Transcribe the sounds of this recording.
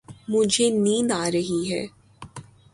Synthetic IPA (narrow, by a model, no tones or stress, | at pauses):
mʊd͡ʒʱenĩːnaːɾɐɦiɦɛː